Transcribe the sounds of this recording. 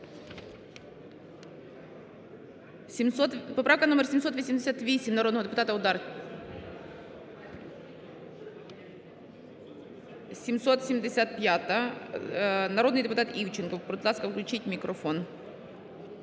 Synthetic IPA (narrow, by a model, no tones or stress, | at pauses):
sʲmsot̪pɐpɾafkɐnomʲɛrsʲɪmʲsot̪ʋɔsʲimʲdʲɪsʲat̪ʋʲisʲɪmʲnɐɾo̞d̪nɔɦɔd̪ɪpʊt̪at̪ɐʊd̪ar | sʲɪmsot̪sʲɪmʲd̪ʲɪsʲat̪̚pʲjat̪ɐ | nɐɾo̞d̪nɨjd̪ɪpʊt̪at̪iwt͡ɕɪnkɔwpɾʊdt̪lˠaskɐfklʲʉt͡ʃitʲmʲɪkɾɔfon